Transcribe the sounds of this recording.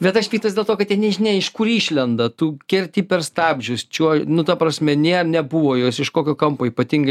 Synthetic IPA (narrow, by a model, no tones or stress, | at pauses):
bʲɛt̪ɐʃsʲpʲiːkt̪ɐsdʲeɛlˠt̪oːkɐt̪t̪ʲjiɛnʲɛʒʲɪnʲɛɪɪʃkʊɾiːʃʲlʲɛnd̪ɐt̪uːkʲɪɾʲt̪ʲiːpʲɛrst̪ɑːbʲʒʲʊst͡ʃʲuɔnʊt̪ɐpɾɐsʲmʲɛnʲeɛrnʲɛbʊʋoːjoːsɪʃkoːkʲoːkɐmpoːiːpɐt̪ʲiŋɡɐ